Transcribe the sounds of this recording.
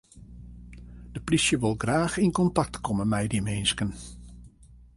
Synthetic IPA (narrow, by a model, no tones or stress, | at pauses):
d̥əplisjəʋɪlˠɡraːxɪnkɔntɑk̚tkɔmənmɛjdimeːnskən